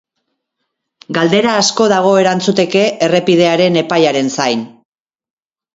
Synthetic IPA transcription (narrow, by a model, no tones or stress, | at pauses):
ɡald̪e̞ɾaːsko̞ðaɣ̞o̞e̞ɾant͡sut̪e̞ke̞ʔere̞pið̞e̞aɾe̞ne̞pajaɾe̞nsajn